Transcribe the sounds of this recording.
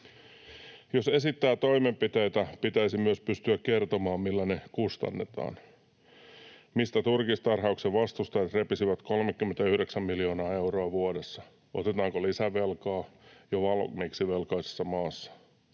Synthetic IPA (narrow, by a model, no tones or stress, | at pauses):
jose̞sit̪ːæːt̪o̞imempit̪ejt̪æpit̪æisimyøspyst̪yækkert̪omɑːmmilːænekust̪ɑ̰nːet̪ɑ̰ːn | mist̪æt̪urkist̪ɑrɦɑukseʋɑst̪ust̪ɑjɑt̪repisiʋæt̪kolmekːymːent̪æyhɾeksæmmiljo̞ːnɑːe̞uroɑʋuoɾesːɑ | o̰t̪et̪ɑːŋkolisæʋelkɑːjoʋɑlmeksiʋelkɑise̥sːɑmɑːsːɑ̥